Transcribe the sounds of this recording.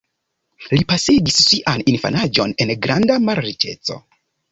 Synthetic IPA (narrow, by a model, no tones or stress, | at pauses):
lipasiɡissiʔaninfa̰nad͡ʒo̞ne̞nɡɾandamaɾɾit͡ʃe̞̰t͡so̞̰